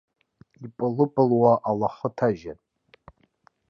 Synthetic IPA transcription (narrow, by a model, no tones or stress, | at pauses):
ipʼɨlɨpʼɨlwaʔalaχətʰaʒan